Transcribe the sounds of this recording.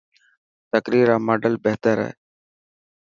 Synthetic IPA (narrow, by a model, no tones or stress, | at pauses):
t̪əkɾiːɾãːməːɖəlbeɦt̪əɾɦɛ̰ː